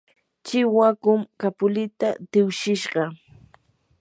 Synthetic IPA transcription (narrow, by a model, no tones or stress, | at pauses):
t͡ʃɪwakʊmkapʊlɪt̪at̪ɪwʃɪʃɢɑ